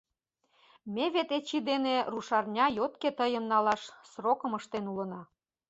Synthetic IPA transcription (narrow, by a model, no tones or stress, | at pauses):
mʲeβet̪et͡ɕid̪eneruʃɑrnʲɑjot̪̚ket̪əjəmnɑlɑʃsrokəməʃt̪enulənɑ